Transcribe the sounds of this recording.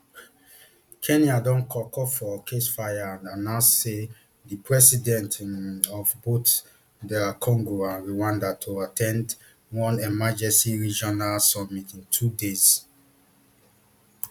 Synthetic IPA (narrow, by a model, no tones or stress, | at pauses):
kʰɛ̃niadɔ̃nkʰɔkɔfɔkʰesfajaananãsse | dipɹɛsidɛ̃ntɔfbot | dɛlakʰɔ̃ŋɡoãnɹiwãndatʰoatʰɛ̃nd | wɔ̃nɛmad͡ʒɛ̃nsiɹid͡ʒɔnalsɔmitĩntʰudez̥